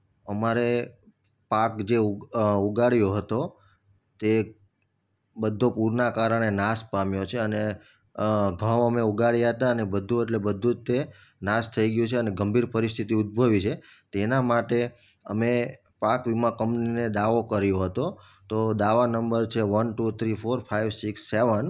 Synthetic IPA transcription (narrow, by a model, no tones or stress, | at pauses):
əmaɾe | pakd͡ʒeuɡaɭjoɦət̪o | t̪e | bəd̪ʱːõpuɾnakaɾəɽ̃enaspamjot͡ʃʰeəne | ɡʱə̃ʋəmeuɡaɽjaɦət̪aənebəd̪ʱũeʈlebəd̪ʱũt̪e | nast̪ʰəiɡjũt͡ʃʰeəneɡəmbʱiɾpəɾist̪ʰit̪iud̪̚bʱəʋit͡ʃʰe | t̪enamaʈe | əme | pakʋimãkəmpnined̪aʋokəɾjoɦət̪o | t̪od̪aʋanəmbəɾt͡ʃʰeʋənʈut̪ʰɾifoɾfʰajʋsiksːeʋən